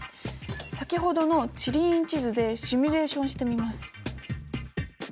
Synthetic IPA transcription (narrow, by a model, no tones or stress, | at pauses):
sakʲiɦo̞d̪o̞no̞t͡ɕiɾʲĩɲt͡ɕizɨd̪e̞ɕimʲiɾe̞ːɕõ̞ɕi̥t̪e̞mʲimasɨ̥